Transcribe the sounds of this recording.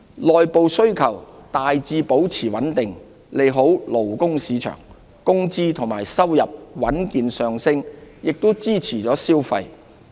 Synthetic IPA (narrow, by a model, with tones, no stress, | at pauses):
lɔː˨jpo˨wsɵ˥ɥkʰɐ˨˩wt̪aː˨jt͡siː˧po˨˥wt͡sʰiː˨˩wɐ˨˥nt̪ɪ˨ŋ | le˨jɦo˨˥wlo˨˩wkʊ˥ŋsiː˨˧t͡ʃʰœ̰ː˨˩ŋ | kʊ˥ŋt͡siː˥t̪ʰʊ˨ŋma̰ː˨˩jsɐ˥wjɐ˨p̚wɐ˨˥nkiː˨˧nsœː˨ŋsɪ˥ŋjɪ˨k̚t̪o˥wt͡siː˥t͡sʰiː˨˩t͡sɔː˨˥siː˥wfɐ̰˧j